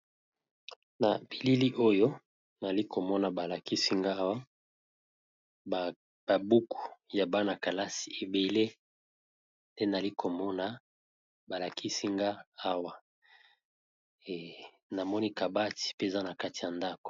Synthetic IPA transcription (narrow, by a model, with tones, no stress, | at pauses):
na̰˨bi˨li˦li˦ʔo˦jo˦ | na˨li˦ko˨mɔ˦na˨ba˨la˨ki˦si˦ŋɡa˦wa˦ | ba˨bu˦kʰu̥˨ja˨ba˦na˨ka˨la˦si̥˨e˨be˨le˦ | nde˦na˨li˦kʰo˨mɔ˦na˨ | ba˨la˨kʰi˦si˦ŋɡa˦a˦wa˦ | e˨ | na˨mɔ˦ni˦ka˨ba˦ti̥˨pe˦˨za˦na˨ka˦ti̥˨ja˨nda˦ko̥˨